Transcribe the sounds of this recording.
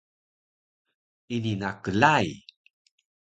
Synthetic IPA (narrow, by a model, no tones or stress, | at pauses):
ininakəlaj